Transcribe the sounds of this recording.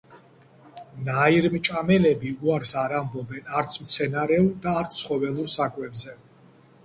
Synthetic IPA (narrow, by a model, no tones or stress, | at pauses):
naiɾmt͡ʃʼamɛlɛbiuaɾsaɾambɔbɛnaɾt̪sʰmt̪sʰɛnaɾɛud̪aːɾt̪sʰχɔvɛlˠuɾsakʼwɛbzɛ